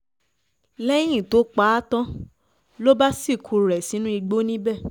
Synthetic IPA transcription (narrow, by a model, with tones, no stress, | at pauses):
lɛ˦j̃ĩ˦˨to˨˦k͡pa˦tã˦ | lo˦ba˦si˦˨kʰu˧˨ɾɛ˨si˨˦nũ˦i˧ɡ͡bo˦nĩ˦bɛ˦˨